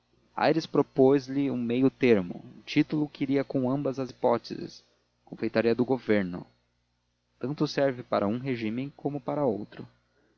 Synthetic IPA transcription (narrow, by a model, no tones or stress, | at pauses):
a̰jɾɪspɾopozlɪũmejʊt̪eɾmʊ̰̃t͡ʃit̪ʊlʊkɪiɾiɐkõw̃ɐ̃mbɐzɐzipɔt̪ḛzɪ̰s | kõfejt̪aɾiɐd̪ʊɡoveɾnʊ̰ | t̪ɐ̃nt̪ʊsɛɾvɪpaɾʔɐũɦeʒĩmẽj̃kõmʊpaɾɐowt̪ɾʊ